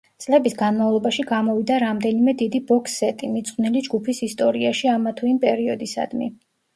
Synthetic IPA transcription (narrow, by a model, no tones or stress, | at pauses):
t̪sʼlɛbisɡanmavlˠɔbaʃiɡamɔvid̪aɾamd̪ɛnimɛd̪id̪ibɔksɛt̪ʼimit̪sʼqʼwnilid͡ʒɡupʰisist̪ʼɔɾiaʃiamat̪ʰuimpʼɛɾiɔd̪isa̰d̪̥mḭ